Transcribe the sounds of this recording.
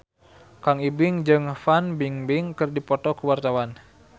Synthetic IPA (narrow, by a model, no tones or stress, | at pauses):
kaŋibɪŋd͡ʒɨŋfanbiŋbɪŋkɨrdipɔt̪ɔkəwart̪awan